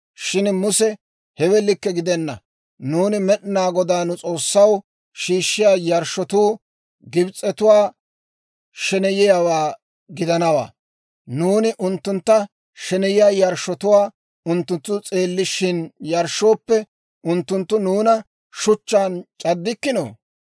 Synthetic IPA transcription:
ʃɪnmʊsɛ | hɛwɛlːɪkːɛɡɪd̪ɛnːɐ̰ | nuːnɪmɛɗɪnaːɡɔd̪aːnʊt͡sʼo̞ːsːɐw | ʃiːʃːɪjaːjɐɾʃɔt̪uː | ɡɪbt͡sʼːɛt̪ʊwaː | ʃɛnɛjɪjawaː | ɡɪd̪ɐnɐwa̰ː | nuːnɪʔʊnt̪ːʊnt̪ːɐ | ʃɛnɛjɪjaːjɐɾʃːɔt̪ʊwaː | ʊnt̪ːʊnt̪ːʊt͡sʼe̞ːlːɪʃːɪnjɐɾʃo̞ːpːɛ | ʊnt̪ːʊnt̪ːʊnuːnɐ | ʃʊt͡ʃːaːnt͡ʃʼɐd̪ːɪkːɪno̰ː

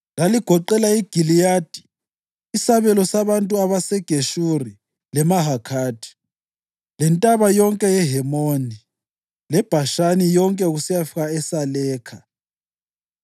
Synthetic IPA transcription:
laliɡ̥ʱɔǃɛlaiɡ̥ʱilijaːd̥ʱi̥ː | saβɛlɔsaβantʼuaβasɛɡ̥ʱeʃuri | lɛmaɦakʰaːd̥ʱi̥ | lɛntʼaβajɔŋkʼɛjɛɦɛmoni | lɛb̥ʱaʃanijɔŋkʼɛuɣusijafiɣaɛsalɛːkʰa

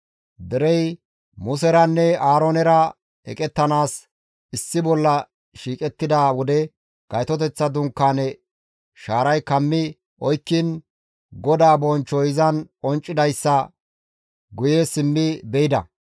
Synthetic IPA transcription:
d̪ɛɾɛj | mʊs̬ɛɾɐnːɛaːɾonɛɾɐ | ɛ̰kʼɛt̪ːɐnaːs | ɪsːɪbɔlːɐ | ʃiːkʼɛt̪ːɪd̪aːwɔd̪ɛ | ɡ̥ɐjt̪ɔt̪̬ɛt͡sːɐd̪ʊŋkːaːnɛ | ʃaːɾɐjkɐmːɪ | ʔɔjkːɪn | ɡɔd̪aːbɔnt͡ʃːɔjɪzɐnɔnt͡ʃʼːɪd̪ɐjsːɐ | ɡʊjesɪmːɪbɛɪd̪ɐ̰

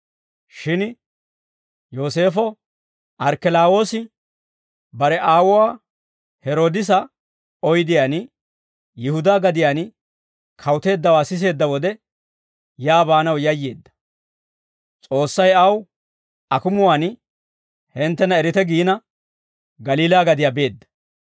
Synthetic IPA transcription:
ʃɪn | jo̞ːse̞ːfɔ | ʔɐɾkɛlaːwo̞ːsɪ | bɐɾɛʔaːwʊwaː | hɛɾo̞ːd̪ɪs̬ɐ | ɔjd̪ɪjaːn | jɪhʊd̪aːɡɐd̪ɪjaːn | kʰɐwt̪e̞ːd̪ːɐwaːsɪs̬e̞ːd̪ːɐwɔd̪ɛ | jaːbaːnɐwjɐjːe̞ːd̪ːɐ̥ | t͡sʼo̞ːsːɐjɐw | ɐkʊmʊwaːn | hɛnt̪ːɛnɐɛɾɪt̪ɛɡiːnɐ | ɡɐliːlaːɡɐd̪ɪjabe̞ːd̪ːɐ̥

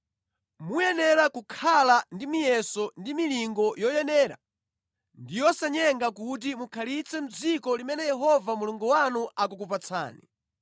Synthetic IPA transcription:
mujɛnɛɾakukʰalandimijɛsɔndimiliŋɡɔjɔjɛnɛːɾa̰ | ndijɔsaɲɛŋɡakut̬imukʰalit͡sʰɛm̩d͡zikɔlimɛnɛjɛɦɔvamuluŋɡuwanuʔak̬ukupat͡sʰa̰ːnḭ

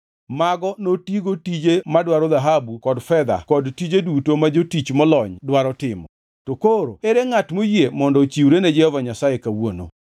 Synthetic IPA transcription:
maɡɔnotiɡotid͡ʒemadwaɾɔd̪aɦabukɔdfɛd̪a̰kɔdtid͡ʒedutomad͡ʒotit͡ʃmɔlɔɲdwaɾɔtɪmɔ | tokoɾo̰eɾeŋatmojemɔndɔt͡ʃiwɾened͡ʒɛhɔvaɲasajekawono̰

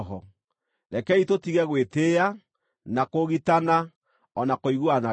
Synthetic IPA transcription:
ɦɔ | ɾɛkɛitotiɣɛɣwetea | nakoɣitana | ɔnakoiɣwana

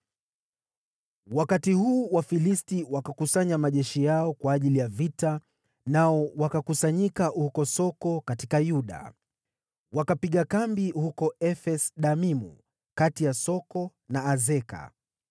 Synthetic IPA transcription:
wakatihuːwafilistiwakakusaɲamaʄɛʃijaɔkwaːʄilijavita | naɔwakakusaɲikahukɔsɔkɔkatikajuɗa̰ | wakapiɠakambihukɔɛfɛsɗamimṵ | katijasɔkɔnaːzɛka̰

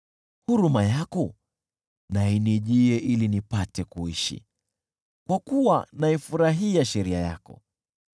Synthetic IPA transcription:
huɾumajakɔ | nainiʄiɛʔilinipatɛkuiʃḭ | kwakuwanaifuɾaɦiaʃɛɾiaja̰kɔ̰

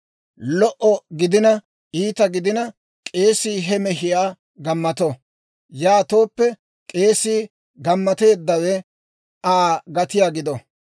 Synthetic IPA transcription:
lɔʔɔɡɪd̪ɪnɐ | ʔiːt̪ɐɡɪd̪ɪnɐ | kʼe̞ːsiːɦɛmɛɦɪjaː | ɡɐmːɐt̪ɔ | jaːt̪o̞ːpːɛ | kʼe̞ːsiː | ɡɐmːɐt̪e̞ːd̪ːɐwɛ | aːɡɐt̪ɪjaːɡɪd̪ɔ

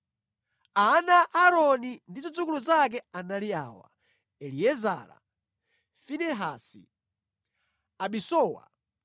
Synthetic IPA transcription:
anaaɾɔnindizɔd͡zukuluzak̬ɛanalia̰ːwa̰ | ɛliɛza̰ːla̰ | finɛɦasḭ | aɓisɔːwa̰

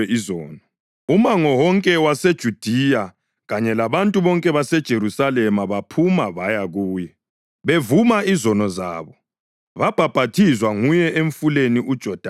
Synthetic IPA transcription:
ɛʔizɔːnɔ | umaŋɔwɔŋkʼɛwased̥ʒ̥ʱud̥ʱija | ɣaɲɛlaβantʼuβɔŋkʼɛβasɛd̥ʒ̥ʱeɾusalɛmaβapʰumaβajaɣuːjɛ | βevumaizɔnɔza̰ːβɔ | βab̥ʱab̥ʱatʰizwaŋujɛʔeɱfuleniʔud̥ʒ̥ʱɔd̥ʱa

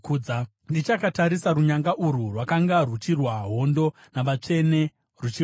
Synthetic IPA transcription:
d͡za | ndit͡ʃakataɾisaɾuɲaŋɡaʔururwakaŋɡarut͡ʃirwaɦo̞ndo̞ | naʋat͡ʂe̞ne̞ | rut͡ʃia

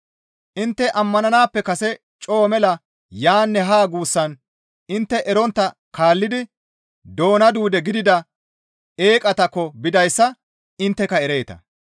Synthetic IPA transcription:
ʔɪnt̪ːɛʔɐmːɐnɐnaːpːɛkɐsɛ | t͡ʃʼo̞ːmɛlɐ | jaːnːɛɦaːɡuːsːɐn | ɪnt̪ːɛʔɛɾɔnt̪ːɐ | kaːlːɪd̪ɪ | d̪o̞ːnɐd̪uːd̪ɛɡɪd̪ɪd̪ɐ | eːkʼɐt̪ɐkːɔbɪd̪ɐjsːɐ | ɪnt̪ːɛkɐɛɾeːt̪ɐ̰

